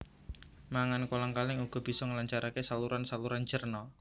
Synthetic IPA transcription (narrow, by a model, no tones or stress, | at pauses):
maŋankolaŋkalɪŋuɡ̥ɔ̤b̥i̤sɔŋəlaɲt͡ʃaɾʔakesaluɾansaluɾant͡ʃərnɔ